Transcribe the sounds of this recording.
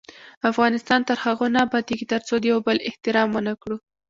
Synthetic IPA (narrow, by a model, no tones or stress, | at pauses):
afɣɑnɪst̪ɑnt̪əɾhaɣonɑbɑt̪eɡit̪əɾt͡sod̪əjawbəlɪht̪ɪɾɑmːənakɽu